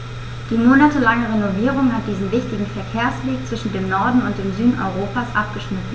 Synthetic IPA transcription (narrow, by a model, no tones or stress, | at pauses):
d̥iːmoːnatəlaŋəʁenoviːʁ̞ʊŋɦat̚d̥iːzn̩vɪçtɪɡŋ̩fɛɐkʰeːɐsv̥eːkt͡sv̥ɪʃn̩deːmnɔɐdn̩ʊnt̚d̥eːmzyːdn̩ʔɔ̰ʏʁoːpasʔa̰p̚ɡ̥əʃmɪtn̩